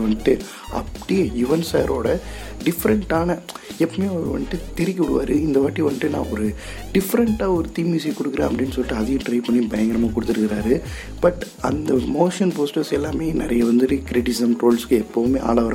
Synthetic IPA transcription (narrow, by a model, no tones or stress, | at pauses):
ʋɐnʈːɯ | ɐ̰pːɐɽijjʊʋɐnsa̰ːɾʔo̰ːɽɐ | ɖɪfɐɾɐɳʈaːnɐɛpːɐmeːɔɾɯʋɐ̰nːʈːɯt̪ɛɾɪkʲːɐʋɪɽɯʋa̰ːɾɯɪnd̪ɐʋaːʈːiʋɐɳʈːɯnã̰ːɔɾɯ | ɖɪfɐɾɐɳʈaːɔɾɯt̪iːmiːsikːɔɽɯkːɯɾɐːɐpːɐɽɪnːɯsɔlːɪʈːɯɐðɪjʊ̃ʈɾɐɪpɐɳːibɐjɐŋɡɐɾɐmaːkɔɽɯt̪ːɯɾɯkːɪɾaːɾɯ | b̥ɐʈː | ɐnd̪ɐmoːʂɐnpoːsʈɐɾsɛlːaːmeːnɪɾɐjɐʋɐnd̪ɯɾɯkɪɾɪʈːɪsɪsɐmʈɾoːlskɯɛpːɐʋɯmeːʔa̰ːɭaːʋɐɾ